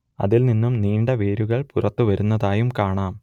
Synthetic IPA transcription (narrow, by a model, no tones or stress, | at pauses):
ɐ̰ðilninːumniːɳɖɐʋeːɾuɣɐɭpurɐt̪ːuʋɐɾunːɐðaːjumkaːɳaːm